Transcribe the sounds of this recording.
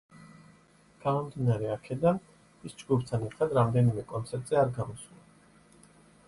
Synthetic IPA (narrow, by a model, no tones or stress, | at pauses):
ɡ̥amɔmd̪inaɾɛakʰɛd̪an | isd͡ʒɡupʰt̪ʰanɛɾt̪ʰad̪ɾamd̪ɛnimɛkʼɔnt̪sʰɛɾt̪ʼz̥ɛaɾɡamɔsulˠa